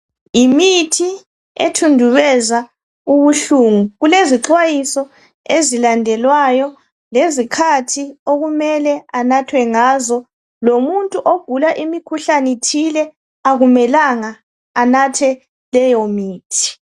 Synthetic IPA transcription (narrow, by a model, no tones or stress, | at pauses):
imitʰi | ḛtʰundʱuβɛza | uβuɬuŋuɣuleziǁwajisɔ | ezilandʱɛlwajɔ | lezikʰatʰioɣumɛlɛanatʰwɛŋaːzɔ | lomuntʼuʔoɡ̥ʱulaʔimikʰuɬanitʰilɛ | aɣumɛlaŋaː | natʰɛ | lɛjɔmiːtʰi̥